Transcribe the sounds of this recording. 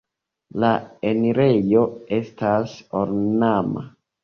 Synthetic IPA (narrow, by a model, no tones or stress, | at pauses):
laeniɾe̞jo̞e̞stasoɾnama̰